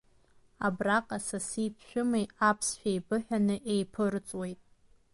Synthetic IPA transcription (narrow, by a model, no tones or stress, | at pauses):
a̰braqʼasasipʰʃᶣʊmejapʰsʃᶣajbɨħᶣanɨʔejpʰɨrt͡sʼwe̞jtʼ